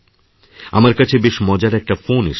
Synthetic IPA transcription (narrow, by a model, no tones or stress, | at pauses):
amaɾkat͡ɕʰebeʃmɔd͡ʑaɾɛk̚ʈafonḛʃ